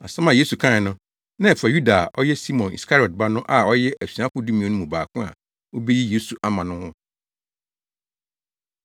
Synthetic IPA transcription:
a˨sɛ˦mã˨je˦su˨kʰã˦˨nʊ̃˦ | nã˦ɛ˨fa˨ju˦da˨ʔɔ˦jɛ˦si˦mɔ̃˨nḭ˨skʰa˦ɾɔ˨t̚ba˦nʊ̃˦ʔa˨ɔ˦jɛ˦ʔæ˨si˨ã˦kʊ̃˦du˦mĩ˨õ˨˦nʊ̃˦mũ˨baː˨kʰʊ̃˦a̰˨ | wo˦be˦ji˦je˦su˨ʔa˦mã˨nʊ̃˦hʊ̃˦

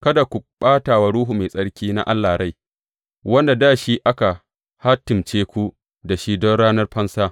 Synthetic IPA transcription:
kɐ˦da˨kʷu˨ɓaː˦taː˨wa˨ɽuː˦ɦu˨me˨sʼɐ˦ɽkʲiː˦na̰˦ʔa˦lːaː˨ɾa˦˨j | wɐ˦nda˨daː˦˨ʃi˦ʔa˦ka˨ | ha˦tɪ˨mt͡ʃeː˦kʷu˦ | da˨ʃiː˦dɔ˦ɽaː˦nɐ˦rɸɐ˦nsaː˦

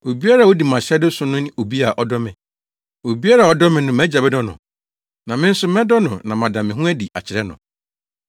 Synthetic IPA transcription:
o˨bi˦a˦ɾa˨wo˦di˨m˨ã˨ɕɛ˦dʊ˦sʊ̃˦nʊ̃˦ñ˦o˨bi˦a˨ʔɔ˦dɔ˦mɪ̃˨ | o˨bi˦a˦ɾa˨ɔ˨˦dɔ˦mɪ̃˨nʊ̃˦mæ˦d͡ʑa˨bɛ˦dɔ˦nʊ̰̃˨ | nã˨mɪ̃˦n̩˦sʊ˦mɛ̃˦dɔ˦nʊ̃˨nã˨m˨ã˨dã˨mɪ̃˨ɦʊ̃˦æ˦di˨a̰˨t͡ɕʰɪ˨ɾɛ˦nʊ̰̃˨

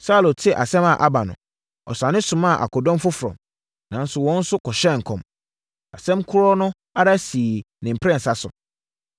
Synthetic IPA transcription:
sa˦lo˨tʰɪ˦ʔa˨sɛ̃˦ma˨ʔa˦ba˨nʊ̰̃˨ | ɔ̰˨sã˨nɪ̃˦sʊ̃˨mã˦˨ʔa̰˨kʰɔ˨dɔ̃˦m˦fʊ˦fʊ˨ɾɔ̰̃˨m | nã˨n˦sʊ˨wɔ̃˦n̩˦sʊ˦kʰɔ˨ɕɛ˦˨ŋ̩˨kʰɔ̃˨m | a̰˨sɛ̃˦mkʰʊ˦ɾɔ˦nʊ̃˦ | a˦ɾa˦siː˨ | nɪ̃˨m̩˨pʰɾɛ̃˦n̩˨sa˦sʊ̰˨

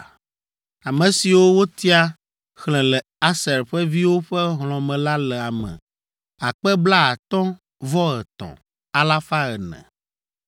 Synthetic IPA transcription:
a˨mɛ̃˨si˨wo˦wo˦t̪i˦a˦ | xlɛ̃˨lɛ˨ | a˦sɛ˨ɾɸɛ˦vi˦wo˦ɸɛ˦ɦlɔ̃˨mɛ̃˨la˦lɛ˨a˨mɛ̰̃˨ | a˨k͡pɛ˦bla˦a˨t̪ɔ̃˦ | vɔ˦ɣɛ˨t̪ɔ̰̃˨ | a˨la˦fa˦ɣɛ˨nɛ̰̃˨

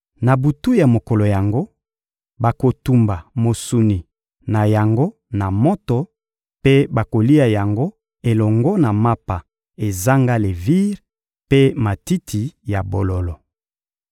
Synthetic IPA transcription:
na˨bu˨tu˦ja˨mo˨kɔ˨lo˨ja˨ŋɡo˦ | ba˨ko˨tu˨mba˨mo˨su˨ni˨ | na˨ja˨ŋɡo˦ | na˨mo˦tɔ˨ | pe˦ba˨ko˨li˦a˨ja˨ŋɡo˦ | e˨lɔ˨ŋɡɔ˦na˨ma˦pa˨ | e˨za˦ŋɡa˦le˨vi˦ʁ | pe˦ma˨ti˦tʰi˨ja˨bo˨lo˨lɔ˨

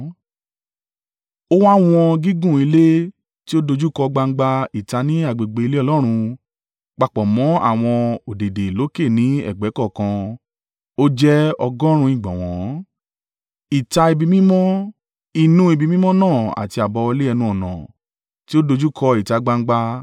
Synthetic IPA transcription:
o˦wa˦w̃ɔ̃˧ɡi˦ɡũ˦˨i˧le˦ | ti˦o˦do˧d͡ʒu˦kɔ˧ɡ͡ba˧ŋ̩˦ɡ͡ba˧i˨ta˧nĩ˦a˨ɡ͡be˨ɡ͡be˨˧i˧le˦ɔ˧lɔ˦ɾ̃ũ˧ | k͡pa˧˨k͡pɔ˨mɔ̃˨˦a̰˦˨w̃ɔ̃˧o˨de˨de˨lo˨˦ke˦˨nĩ˨˦ɛ̰˦˨ɡ͡bɛ˨˦kɔ˦˨kã˧ | o˦d͡ʒɛ˦ɔ˧ɡɔ˦ɾ̃ũ˧ĩ˦˨ɡ͡bɔ̃˨w̃ɔ̃˨˦ | i˨ta˧i˧bi˧mĩ˦mɔ̃˦ | i˨nũ˧˦i˧˨bi˧mĩ˦mɔ̃˦nãː˦˨a̰˨ti˧a˨bɔ˧le˦ɛ˧nũ˧ɔ˨nɔ̰̃˨ | ti˦o˦do˧d͡ʒu˦kʰɔ˧i˨ta˨˧ɡ͡ba˧ŋ̩˦ɡ͡ba˧

